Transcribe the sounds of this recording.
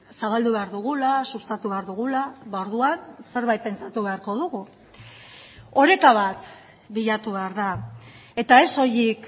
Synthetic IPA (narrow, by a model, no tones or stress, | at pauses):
saβald̪uβe̞aɾðuɣ̞ulasust̪at̪uβe̞aɾðuɣulaβaoɾðuanse̞ɾβajt̪̚pe̞nt͡sat̪uβe̞aɾko̞ðuɣu | o̞ɾe̞kaβ̞at̪ | biʎat̪uβe̞aɾða | e̞t̪ae̞so̞jik